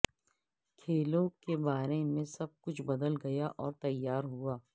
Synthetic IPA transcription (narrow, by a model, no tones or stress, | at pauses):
kʰeːlõkebaːɾemẽsɐb̚kʊt͡ʃʰbɐd̪əlɡɐjaʔɔːɾt̪ɐjːaːɾɦuaː